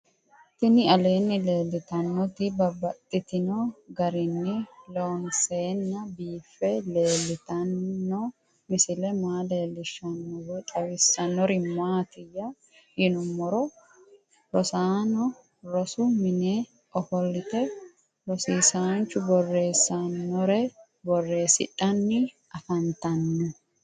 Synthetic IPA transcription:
t̪ɪnɪɐle̞ːnːɪle̞ːlːɪt̪ɐnːɔt̪ɪbɐbːɐt̪ʼːɪt̪ɪnoɡɐɾɪnːɪlonseːnːɐbiːfːɛle̞ːlːɪt̪ɐnːɔ | mɪsɪlɛmaːle̞ːlːɪʃɐnːɔwɛt̪ʼɐwɪsːɐnːɔɾɪmaːt̪ɪjɐ | hɪnʊmːɔɾɔ | ɾɔsaːnɔ | ɾɔsʊmɪneː | ɔfɔlːɪt̪ɛ | ɾɔsiːsaːnt͡ʃːʊbɔrːe̞ːsːɐnːɔɾɛ | bɔrːe̞ːsɪ̰ᶑɐnːɪ | ɐfɐnt̪ɐnːʊ

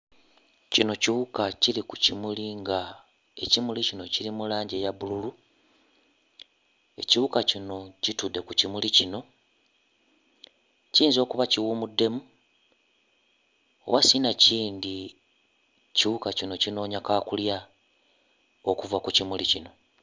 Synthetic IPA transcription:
cino̞ciβukacilikucimuliŋɡa | e̞̰cimulicino̞ciɾimulaːɲɟejaβululu | e̞ciβukacino̞citude̞kucimulicino̞ | ciːnzo̞ːkuβaciwumudːe̞mu | o̰βasinaciːndi | ciβukacino̞cino̞ːɲakakulja | okuvakucimulicino̞

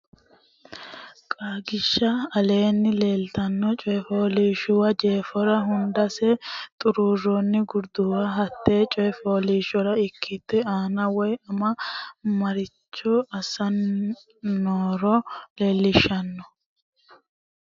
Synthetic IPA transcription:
kʼaːɡɪʃːɐɐle̞ːnːɪle̞ːlt̪ɐnːɔt͡ʃʼɔjɛfoːliːʃʊwɐd͡ʒeːfɔɾɐɦʊnd̪ɐsɛt̪ʼʊɾuːrɔnːɪɡʊɾd̪ʊwɐɦɐt̪ːeːt͡ʃʼɔjɛfoːliːʃɔɾɐɪkʰːɪt̪ːɛaːnɐwɔjɐmɐmɐɾɪt͡ʃːɔɐsɐnː | oːɾɔle̞ːlːɪʃːɐnːɔ

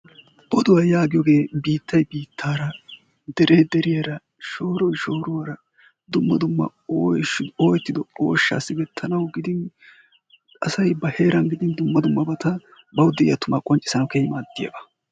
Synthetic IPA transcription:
bɔd̪ʊwajaːɡɪjɔɡe̞ːbiːt̪ːɐjbiːt̪ʰːaːɾɐ | d̪ɛɾʔeːd̪ɛɾɪjɐɾɐ | ʃo̞ːɾɔjʃo̞ːɾʊwɐɾɐ | d̪ʊmːɐd̪ʊmːɐ̰oːjoːjɛt̪ːɪd̪ɔo̰ːʃːa̰ːsːɪbɛt̪ʰːɐnɐwɡɪd̪ɪn | ɐ̰sɐjbɐhe̞ːɾɐnɡɪd̪ɪnd̪ʊmːɐd̪ʊmːɐbɐt̪ɐ | bɐwʊd̪ɛʔɪjɐt̪ʊmaːkʼɔnt͡ʃʼːɪ̥sɐnɐwkejɪmaːd̪ːɪjɐ̰bɐ

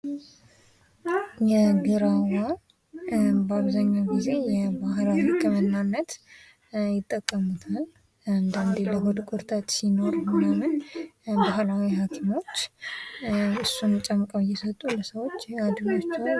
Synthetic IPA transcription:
jɛɡɨɾawa | baβzaɲːawɡize̞jɛbahlawikːəmənːanːət̪ | jɪt̪ʼːəkʼːəmut̪ʰal | ɨnd̪ənd̪eləɦod̪kʰʼʊɾt̪ʰʼat̪sino̞ɾmɨjamɨnbaɦlawiɦakʰimo̞t͡ʃː | ɨsːunt͡ʃʼəmkʼəwjɛsət̪ʼuləsəwo̞t͡ʃːad̪ɨnot͡ʃːɛw

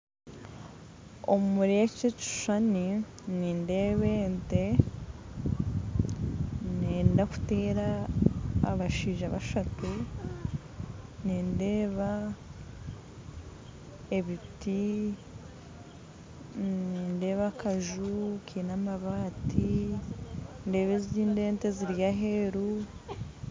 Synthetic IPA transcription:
o̰mmuɾijact͡ʃet͡ʃi̥ʃane | niːnde̞βeːnte | neːndaku̥te̞ːɾa̰ː | βaʃiːʒaβa̰ʃatu | niːnde̞ːβa | eβiti | ninde̞ːβakaʒukʰiːnamaβaːtʰi | nde̞ːβeziɟiːnde̞ːnte̞ziɾjaɦe̞ɾu

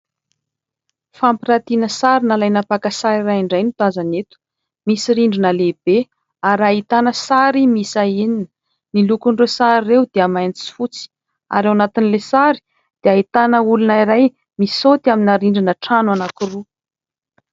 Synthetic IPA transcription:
fampiɾat̪inəsaɾinalajnapakasaɾirajiɳɖ͡ʐajnut̪azanet̪u̥ | misiɾiɳɖ͡ʐinəleb̥e | aɾait̪anəsaɾimisaininə̥ | milukuɳɖ͡ʐesaɾirewd̪̥eamajnt͡si̥fut͡si̥ | a̰ɾawanat̪inilesaɾi̥ | d̪̥eait̪anəulunaiɾaj | misot̪aminaɾiɳɖ͡ʐinəʈ͡ʂanwanakuru

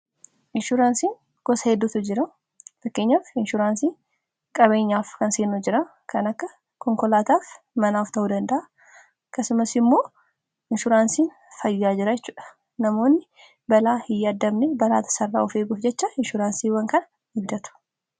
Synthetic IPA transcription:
ʔɪnʃʊɾaːnsiːŋ | ɡ̥ɔshɛd̪ːʊt̪ʊd͡ʒɪɾɐ | fɐkːe̞ːɲːaːfɪnʃʊɾaːnsiː | kʼɐβe̞ːɲːaːfkɐnseːnʊd͡ʒɪɾɐ | kɐnɐkːɐ | kɔŋkɔlaːt̪aːf | mɐnaːft̪ɐʔud̪ɐnd̪ɐʔa | ɐkːɐsʊmɐsɪmːo̞ː | ʔɪnʃʊɾaːnsiːn | fɐjːaːd͡ʒɪɾɐd͡ʒɛt͡ʃːuːᶑɐ̥ | nɐmo̞ːnːɪ | bɐlaːhɪjːad̪ːɐmnɛbɐla̰ːt̪ɐ̥sɐrːa̰ːɔfeːɡʊfd͡ʒɛt͡ʃːɐɪnʃʊɾaːnsiːwɐŋkɐnɐ | hɪbd̪ɐt̪ʊ̥

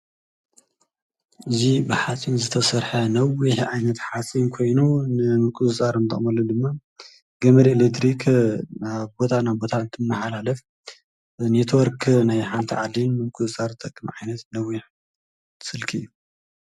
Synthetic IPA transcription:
ʔɨzibɨħat͡sʼinzɨt̪ʰɐsɐɾħɐnɐwiħʕajnɐt̪ħat͡sʼinkʰo̞jnunɨmɨkʼuzɨt͡sʼaɾɨnt̪ʰɐ̰χʼmɐlːud̪ɨmːa | ɡɐmɐɾielet̪ʰɾikʰnaβbo̞t̪ʰanaβbo̞t̪ʰaɨnt̪ʰɨmːɐħalalɐf | net̪ʰwɔɾkʰnajħant̪ʰiʕad̪inːɨmɨkʼɨzɨt͡sʼaɾt̪ʰɐkʼːmʕajnɐt̪nɐwiħ | sɨlkʰijːu

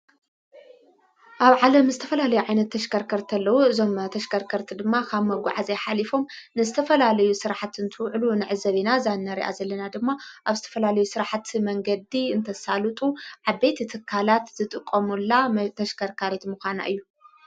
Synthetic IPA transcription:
ʔaβʕalɐmzɨt̪ʰɐ̥fɐlalɐjuʕajnɐt̪ʰːɐʃkʰɐɾkʰɐɾt̪ʰɐlːɐwuɨzo̞mt̪ʰɐʃkʰɐɾkʰɐɾt̪ʰid̪ɨmːakʰaβmɐɡʷa̰ʕazeħalifo̞mnɨzɨt̪ʰɐfɐlalɐjusɨɾaħat̪ɨnt̪ʰɨwʕlunɨʕɨzɐβinazanːɐɾḭʔa̰zɐlːɐnad̪ɨmːaʔaβzɨt̪ʰɐ̥fɐlalɐjusɨɾaħt̪mɐŋɡɐd̪iɨnt̪ʰɐsalɨt̪ʼuʕaβe̞t̪t̪ʰɨkʰːalat̪zɨt̪ʼɨkʼːɐmulːat̪ʰɐʃkʰɐɾkʰaɾet̪muxʷana̰ʔɨjːu

